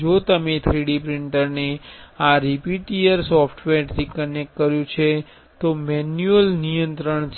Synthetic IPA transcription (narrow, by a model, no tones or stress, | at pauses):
d͡ʒot̪əmet̪ʰɾiɽipɾiɳʈəɾneaɾipiʈiəɾsɔfʰʈʰʋeɾt̪ʰikənek̚ʈkəɾjũt͡ʃʰe | t̪omɛnjuəlnijənt̪ɾəɳt͡ʃʰ